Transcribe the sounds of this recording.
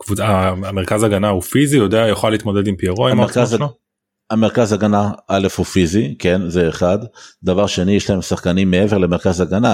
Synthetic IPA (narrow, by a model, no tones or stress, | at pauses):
kvuaaameʁkazaɡanahufizijod̪eajoχaliːt̪mo̞d̪ed̪impiaʁoimeʁkazn | ame̞ʁkazhaɡanaʔale̞fhufizike̞nzeːχad̪d̪avaʁʃenijeʃlae̞msaχkanimːee̞ve̞ʁle̞meʁkazaɡana